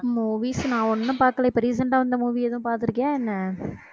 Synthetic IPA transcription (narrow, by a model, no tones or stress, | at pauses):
muːʋisnãːɔnːɐ̃paːɾkːɐlɐɪpːɐɾiːsɐɳʈaːʋɐnd̪ɐmuːʋiɛðʊ̃paːɾt̪ɪɾɯkːẽːɛnːɐ